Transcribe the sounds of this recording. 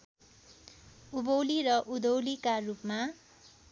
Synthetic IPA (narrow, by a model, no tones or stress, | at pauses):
ubowliɾʌʔud̪owlikarupma